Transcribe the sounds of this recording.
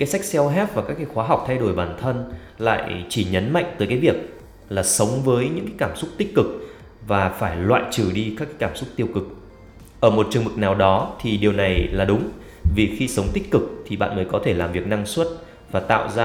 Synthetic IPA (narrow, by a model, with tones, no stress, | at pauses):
kaː˨˦jsa˦˥k̟̚sɛ˧wɦɛ˦˥p̚vaː˨˩kaː˦˥kːaː˨˦jxwaː˨˦ɦa˨˩wk͡p̚t̪ʰa˧jɗo˧˩jɓaː˧˩nt̪ʰə˧n | la̰ː˧˨jt͡ɕi˧˩ɲə˨˦nma̰˧˨jŋ̟t̪əː˨˦jkaː˨˦jvi˨˩ək̚ | laː˨˩sə˨˦wŋ͡mvəː˨˦jɲɨ̰˧˥ŋkaː˨˦jkaː˧˩msʊ˦˥k͡p̚t̪ï̟˦˥kɨ˨˩k̚ | vaː˨˩faː˧˩jlwa̰ː˧˨jt͡ɕɨ˧˩ɗi˧kaː˦˥kːaː˨˦jkaː˧˩msʊ˦˥k͡p̚t̪i˧əwkɨ˨˩k̚ | ʔəː˧˩mo˨˩t̚t͡ɕɨ˧˩əmvɨ˨˩k̚naː˨˩wɗɔ˨˦t̪ʰi˨˩ɗi˨˩əwna˨˩jlaː˨˩ɗʊ˨˦ŋ͡m | vi˨˩xi˧sə˨˦wŋ͡mt̪ï˦˥k̟̚kɨ˨˩k̚t̪ʰi˨˩ɓa̰ː˧˨nməː˨˦jkɔ˨˦t̪ʰe˧˩laː˨˩mvi˨˩ək̚na˧ŋswə˦˥t̚ | vaː˨˩t̪a̰ː˧˨wzaː˧